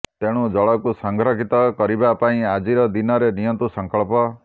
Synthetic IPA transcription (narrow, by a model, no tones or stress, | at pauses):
t̪eɽ̃ũd͡ʒɔɭɔkusɔŋɡʱɾɔɡʱit̪ɔkɔɾibapaĩad͡ʒiɾɔd̪inɔɾenijɔnt̪usɔŋkɔɭpɔ